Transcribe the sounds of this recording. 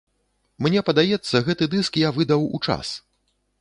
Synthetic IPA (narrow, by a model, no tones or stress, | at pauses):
mnʲɛpɐd̪ajɛt̪sːɐɣɛt̪ɨd̪ɨskjavɨd̪ɐwṵt͡ʂa̰s